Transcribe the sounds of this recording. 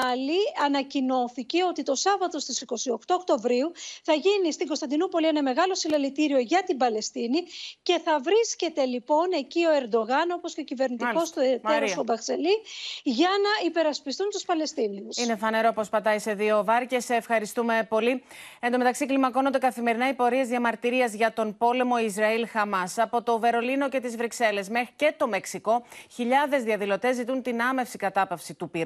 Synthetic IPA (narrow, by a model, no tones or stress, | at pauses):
liɐnɐcino̞θice̞o̞t̪it̪o̞sɐvɐt̪o̞st̪isiko̞sio̞kt̪o̞ːkt̪o̞vɾiuθɐʝinist̪iŋɡo̞st̪ɐnd̪inupo̞lie̞nɐme̞ɣɐlo̞silɐlit̪iɾio̞ʝɐt̪imbɐle̞st̪inice̞θɐvɾisce̞t̪e̞lipo̞ne̞cio̞e̞ɾd̪o̞ɣɐno̞po̞scecive̞ɾnit̪io̞st̪oet̪eɾost̪obɐkse̞liʝɐnɐipe̞ɾɐspist̪unt̪uspɐle̞st̪iniusine̞fɐne̞ɾo̞pɾospɐt̪ɐise̞ðio̞vɐɾce̞sːfxɐɾist̪ume̞po̞liend̪o̞me̞t̪ɐksiklimɐko̞nond̪e̞kɐθime̞ɾinɐipo̞ɾie̞zðiɐmɐɾt̪iɾiɐzʝɐt̪o̞npo̞le̞mo̞izɾɐilxɐmɐsɐpo̞t̪o̞ve̞ɾo̞lino̞ce̞t̪izvɾikse̞le̞sme̞xɾi̥ce̞t̪o̞me̞ksiko̞çiʎɐðe̞zðiɐðilo̞t̪e̞zːit̪unt̪inɐme̞fsikɐt̪ɐpɐfsit̪upiɾ